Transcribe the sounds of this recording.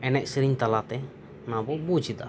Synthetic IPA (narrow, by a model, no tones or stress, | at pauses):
ɛnɛc̚siɾiɲt̪alat̪ɛ | nabɔbud͡ʒid̪a̰